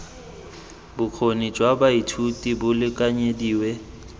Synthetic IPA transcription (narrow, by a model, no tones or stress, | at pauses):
bʊq͡χʰonid͡ʒʼwabaitʰutʼibʊlɪkʼaɲediːwɛ